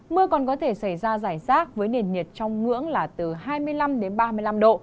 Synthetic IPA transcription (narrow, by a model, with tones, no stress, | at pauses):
mɨ˧əkɔ˨˩nkɔ˨˦t̪ʰe˧˩sa˧˩jzaː˧zaː˧˩jzaː˦˥t̚vəː˨˦jne˨˩nːi˨˩ət̚t͡ɕɔ˧wŋ͡mŋɨ̰˧˥əŋlaː˨˩t̪ɨ˨˩ɦaː˧jmɨ˧əjla˧mɗe˨˦nɓaː˧mɨ˧əjla˧mɗo̰˧˨